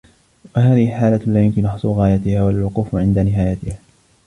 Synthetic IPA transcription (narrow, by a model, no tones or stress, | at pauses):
wahaːðɪhɪħaːlalaːjʊmkɪnʔɑħsˤuɣaːjat̪ɪhaːwalwʊquːfʕɪnd̪anɪɦaːjat̪ɪhaː